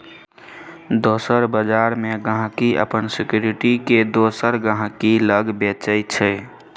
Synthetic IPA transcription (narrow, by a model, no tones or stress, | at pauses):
d̪osəɾbəd͡ʒaɾmeɡəɦãkiə̰pənsikjuɾiʈiked̪osəɾɡə̃ɦkiləɡbet͡ʃəɪt͡ʃʰɛ